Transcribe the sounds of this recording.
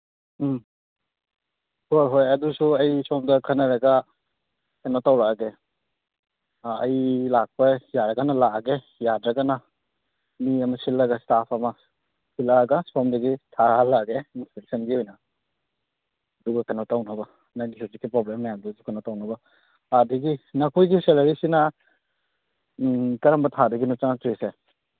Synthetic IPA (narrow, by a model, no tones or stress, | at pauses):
hojɦojɐdusuɐjsɔmdɐkʰɐnɐɾɐɡɐ | kenotawɾaɡe | ɐjlak̚pɐjaɾɐɡɐnɐlaɡe | jadɾɐɡɐna | miɐmɐsilːɐɡɐstapʰɐmɐ | silaɡɐspɔmdɐɡitʰalaɡeinspeksɐnɡihɔjnɐ | duɡakɐnɔtawnɐbɐ | najnisʰuzikːipɾɔblemːɐjamdudukɐnotawnɐbɐ | adɐɡinɐkʰujɡiselɐɾisinɐ | kɐɾɐmbɐtʰadɐɡinut͡ʃaŋatjse